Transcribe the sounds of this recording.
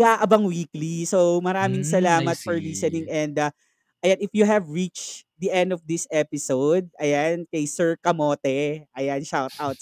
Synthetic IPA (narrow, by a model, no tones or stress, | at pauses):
aʔɐbɐŋwiːklisomɐɾaːmɪŋsɐlaːmɐt̪̚fɔɹliːsɛnɪŋʔɛnd̪ɐ | ʔɐjanɪfjuɦɛvɹit͡ʃd̪iʔɛ̃nd̪ɔfd̪ɪsʔɛpɪsowd̪̚ʔɐjankɐjsɛɹkɐmoːt̪ɛʔɐjanʃawt̪̚ʔawt̪̚